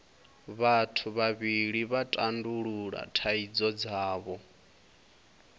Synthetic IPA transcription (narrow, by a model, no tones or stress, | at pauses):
βatʰuβaβiɺiβatʼanduɺuɺa̰tʰaid͡zɔd͡zaːβɔ